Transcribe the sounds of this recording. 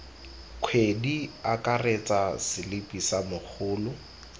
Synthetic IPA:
kʰwediakʼaret͡sʼasɪlɪpʼisamʊk͡xʰʊːlʊ

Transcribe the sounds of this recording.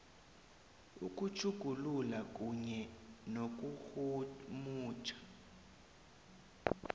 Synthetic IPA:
uk̬ʼut͡ʃʰʼuɡ̥ʱululak̬ʼuɲɛnok̬ʼuxumuːt͡ʃʰʼḁ

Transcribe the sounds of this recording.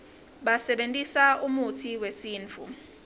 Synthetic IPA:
ɓasɛɓentʼisaumutʰiwesiːnt͡fʰṵ

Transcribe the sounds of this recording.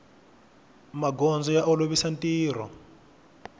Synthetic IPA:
maɡɔnd͡zɔjaʔɔloβisantiːr̤ɔ

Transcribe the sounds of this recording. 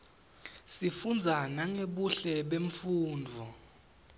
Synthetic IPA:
sifund͡zʱanaŋeɓuɬɛɓeɱfuːnd͡vʱɔ

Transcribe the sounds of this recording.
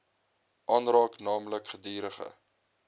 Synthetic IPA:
ʔɑːnrɑːknɑːmləkχədiːɾəχə̰

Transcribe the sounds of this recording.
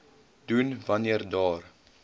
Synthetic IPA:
dunvɐniərdɑːr

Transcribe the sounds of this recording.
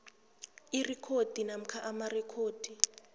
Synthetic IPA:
irikʰod̥ʱinam̩kʰaʔamarɛkʰoːd̥ʱi

